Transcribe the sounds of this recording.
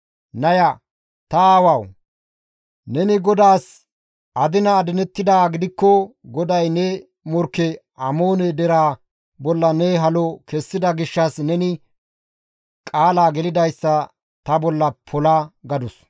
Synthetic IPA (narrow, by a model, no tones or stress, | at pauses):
nɐjɐ | t̪ɐaːwɐw | nɛnɪɡɔd̪aːs | ɐd̪ɪnɐːd̪ɪnɛt̪ːɪd̪aːɡɪd̪ɪkːɔɡɔd̪ɐjnɛ | mɔɾkːɛʔɐmo̞ːnɛd̪ɛɾaː | bɔlːɐnɛɦɐlɔkɛsːɪd̪ɐɡɪʃːɐsnɛnɪ | kʼaːlaːɡɛlɪd̪ɐjsːɐ | t̪ɐbɔlːɐpʰɔlɐɡɐd̪ʊs